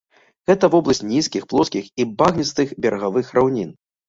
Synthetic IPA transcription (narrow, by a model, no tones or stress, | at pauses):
ɣɛt̪ɐvɔblˠɐsʲtʲnʲiskʲixplˠɔskʲixibaɣnʲist̪ɨxbʲɛɾʔɐɣavɨxɾʔawnʲin